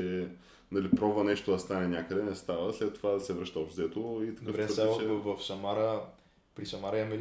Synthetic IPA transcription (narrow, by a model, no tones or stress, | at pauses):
ɛ | nɐlipɾɔvənɛʃt̪od̪ɐst̪anɛnʲakəd̪ɛnɛst̪avəslɛt̪ːovad̪ɐsɛvɾɤʃt̪əɐvzɛt̪oit̪ɐ̥kkəɛɛvɐfsɐmaɾə | pɾisɐmaɾəiɐmɛl